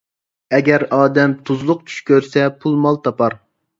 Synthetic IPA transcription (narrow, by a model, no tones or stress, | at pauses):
ɛɡʲɛɾɑːd̪ɛmt̪ʰuzlˠʊq̚t͡ʃ̪ʰy̥ʃkʲøɾsɛpʰulˠmɑlˠt̪ʰɑpʰɑɾ